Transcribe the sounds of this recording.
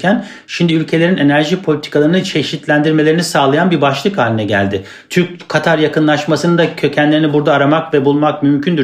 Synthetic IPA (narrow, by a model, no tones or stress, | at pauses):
cæn | ʃimd̪iylʲcʰe̞lʲeɾine̞næɾʒipʰo̞lʲit̪ʰi̥kʰalˠaɾɯnɯt͡ʃʰe̞ʃit̪lʲænd̪iɾmelʲeɾinisaːlˠajanbibaʃlˠɯkhaːlʲinɛɟæ̰lʲd̪ɪ | t̪ʰyɾc̚kʰat̪ʰaɾjakɯnlˠaʃmasɯnɯnd̪acʰø̞cʰænlʲe̞ɾinibuɾd̪aːɾamakvɛbulˠmakmymcʰynd̪y